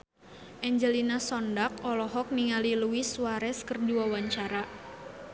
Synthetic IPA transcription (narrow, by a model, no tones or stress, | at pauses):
ʔɛɲd͡ʒəlinasɔndak̚ɔlɔɦɔk̚niŋaliluwisuaɾɛskərdiwawaɲt͡ʃaɾa